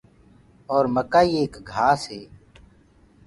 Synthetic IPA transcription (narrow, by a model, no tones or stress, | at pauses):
ɔːɾməkaːiːeːkɡʱaːsɦeː